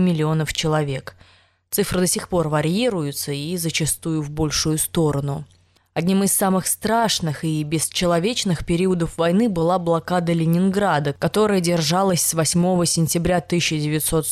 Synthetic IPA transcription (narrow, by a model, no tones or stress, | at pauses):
mʲɪlʲɪo̞nəft͡ɕɪlˠɐvʲe̞k | t̪sɨfɾɨd̪ɐsʲixpo̞rvɐɾʲiɾʊjʊt̪səizət͡ɕɪst̪ujʊvbo̞lʲʂʊjʊst̪o̞ɾənʊ | ɐdʲnʲimɨsːamɨxst̪ɾaʂnɨxibʲɪst͡ɕɪlˠɐvʲet͡ɕnɨxpʲɪɾʲiʊəd̪əfvɐjnɨbɨlˠablˠɐkad̪əlʲɪnʲɪnɡɾad̪əkɐt̪o̞ɾəjədʲɪrʐalˠəsʲsvɐsʲmo̞vəsʲɪnʲtʲɪbɾʲat̪ɨɕːɪdʲɪvʲɪt̪so̞t̪